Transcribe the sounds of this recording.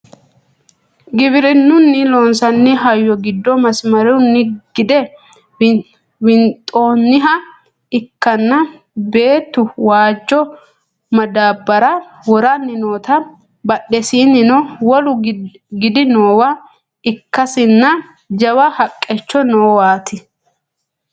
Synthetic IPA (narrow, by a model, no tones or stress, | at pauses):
ɡɪbɪɾɪnːʊnːɪloːnsɐnːɪɦɐjːɔɡɪd̪ːɔmɐsmɐɾɛʊnːɪɡ̥ɪd̪ɛ | wɪnt̪ʼːoːnːɪɦɐ | ɪkːɐnːɐ | be̞ːt̪ːʊwaːd͡ʒːɔ | mɐd̪aːbːɐɾɐ | wɔɾɐnːɪno̞ːt̪ɐ | bɐɗɛsiːnːɪnɔwɔlʊ | ɡɪd̪ɪnoːwɐ | ɪkːɐsɪnːɐ | d͡ʒɐwɐhɐkʼːɛt͡ʃːɔnoːwaːt̪ʰɪ